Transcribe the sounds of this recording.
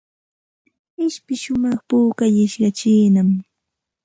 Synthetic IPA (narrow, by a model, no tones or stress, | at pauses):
ɪʃpɪʃʊmɑχpuːkajɪʃɢɑt͡ʃiːnam